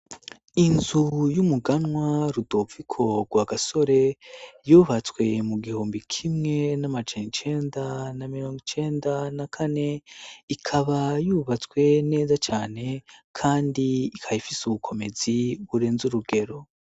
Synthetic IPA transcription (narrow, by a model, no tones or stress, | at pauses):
inzujumuɡanŋwaɾudovikʰo̞ɡ̥waɡaso̞ɾe̞juːβat͡swe̞muɡihoːmbikʰimŋe̞namad͡ʒenit͡ʃe̞ːndanamiɾo̞ːŋɡit͡ʃe̞ːndanakʰane̞ikʰaβajuːβat͡swe̞ne̞ːzat͡ʃaːne̞kʰaːndiikʰajifisuβukʰo̞me̞ziβuɾeːnzuɾuɡe̞ɾo̞